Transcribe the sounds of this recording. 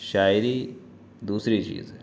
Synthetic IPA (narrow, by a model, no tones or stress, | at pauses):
ʃaːjɾi | d̪uːsɾit͡ʃḭːz